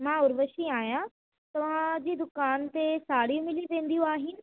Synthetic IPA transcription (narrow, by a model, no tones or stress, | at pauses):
mãʊɾʋəʃiaːɦjã | t̪ɐʋ̤ãd͡ʑiːd̪ʊkaːnt̪esaːɽijũmɪliʋẽːnd̪ijũaːɦɪnɪ̆